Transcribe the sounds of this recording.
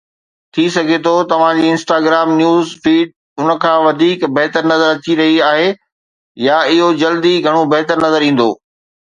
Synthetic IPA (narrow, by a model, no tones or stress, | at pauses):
t̪ʰisɐɡʱet̪ʰot̪ɐʋ̤ãd͡ʑiːɪ̃nsʈaːɡɾaːmnjuːzfiːɖ̚ | ʊnə̆kʰãːʋɐd̪ʱiːkbɐɦt̪əɾnɐzəɾɐt͡ɕiɾɐɦiaːɦe | jaɪɦod͡ʑɐld̪iɡʱɐɽ̃obɐɦt̪əɾnɐzəɾĩːn̆d̪o̰ː